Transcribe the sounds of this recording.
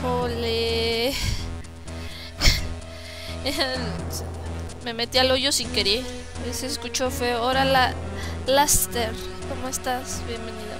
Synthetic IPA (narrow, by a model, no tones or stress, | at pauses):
ole | memet̪ialojosikeɾie | eseskut͡ʃofeoɾalalast̪eɾ | komoest̪asbjembeniða̰